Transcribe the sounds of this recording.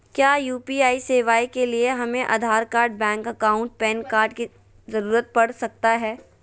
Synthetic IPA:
kjaːjuːpiaːiseːʋaːikelieɦɐmẽʔa̰d̪ʱaːɾkaːɾɖ̚bɛ̃ːŋkɐkaːʊ̃ɳʈ̚pɛːnkaːɾɖki | zɐɾuːɾət̪̚pɐɽ̤sɐk̚t̪aɦɛː

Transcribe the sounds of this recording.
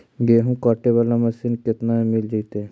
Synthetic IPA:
ɡeɦũkɔːʈebalamɐsinkɪt̪namɪld͡ʒəit̪e

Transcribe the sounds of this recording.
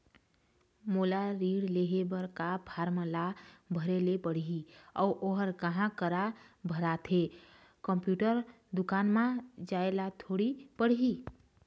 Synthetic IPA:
molaɾiɽleɦebəɾkabʰʱaɾmə̃labʱəɾelepəɽ̤ɦiɔːʔoɦəɾkəɦãkəɾabʱəɾat̪ʰe | kəmpjuʈəɾ | d̪ʊkaːnmãd͡ʒaelat̪ʰoɽipəɽ̤ɦi

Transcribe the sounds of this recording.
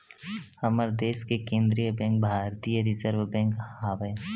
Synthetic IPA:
hɐməɾd̪eːskekẽːnd̪ɾijəbɛ̃ːŋk̚bʱaːɾt̪ijəɾɪzəɾʋbɛ̃ːŋkaːʋə

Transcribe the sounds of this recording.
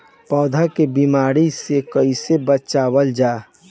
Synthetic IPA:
pɔːd̪ʱakebiːmaːɾisekəisebət͡ʃaːwəld͡ʒaː

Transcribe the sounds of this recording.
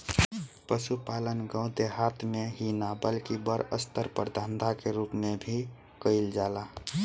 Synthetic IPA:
pəʃupaːlənɡə̃ʊ̃t̪eɦat̪ʰmeɦinabəlkibəɾə̰st̪əɾpəɾd̪ʱə̃nd̪ʱakeɾuːpmebʱi | kəɪld͡ʒala

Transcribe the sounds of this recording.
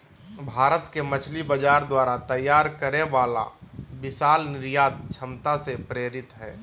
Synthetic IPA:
bʱaːɾət̪kemət͡ʃʰlibəd͡ʒaːɾd̪waːɾat̪əjaːɾkəɾeʋaːla̰bɪsaːlnɪɾjaːt̪̚t͡ʃʰəmt̪asepɾeːɾɪt̪ɦɛː

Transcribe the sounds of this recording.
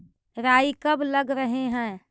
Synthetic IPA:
ɾaːikəbləɡɾəɦeɦɛ̃ː

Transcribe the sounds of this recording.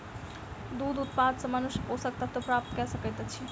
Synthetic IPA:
d̪ud̪ut̪pad̪səmənuʃposək̚t̪əb̚t̪opɾap̚t̪kɛsəkɛt̪et͡ʃʰi

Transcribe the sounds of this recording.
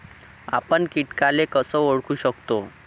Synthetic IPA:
a̰pəɳkiʈkalekəsəoɽkuɕəkt̪o

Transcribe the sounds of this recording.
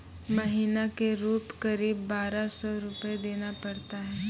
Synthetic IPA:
mɐɦinakeɾuːpkɐɾiːbːaːɾasɔɾʊpəed̪eːnapɐɽt̪aɦɛː

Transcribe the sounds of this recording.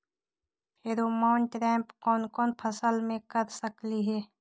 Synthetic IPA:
heɾoːmaʊɳʈɾɛ̃ːmpkɔːnkɔːnpʰəsəlmẽkəɾsəkliɦɛː

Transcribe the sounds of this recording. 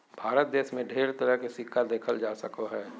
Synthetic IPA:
bʱaːɾət̪̚d̪eːʃmẽɖʱeːɾt̪əɾəɦkɪsikːad̪eːkʰəld͡ʒaːsɐkoɦɛː

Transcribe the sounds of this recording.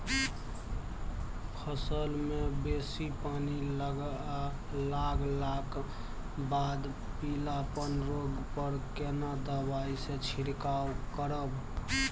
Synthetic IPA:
pʰəsəlmebesipanil | laɡlak | bad̪ | pilapənɾoɡpəɾkenad̪əbaisẽt͡ʃʰiɽkawkəɾəb

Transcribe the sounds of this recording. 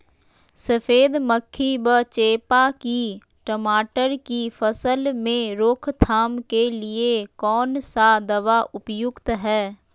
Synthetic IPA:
səfʰeːd̪məkʰːibət͡ʃeːpaki | ʈəmaːʈəɾkifʰəsəlmẽɾoːkʰt̪ʰaːmkeliekɔːnsad̪ɐʋaʔʊpjʊkt̪ɦɛː

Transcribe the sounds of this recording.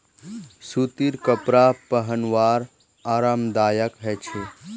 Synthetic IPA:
sut̪iɾkəpɾapəɦənʋaːɾ | aːɾamd̪aːjəkɦɛt͡ʃʰe

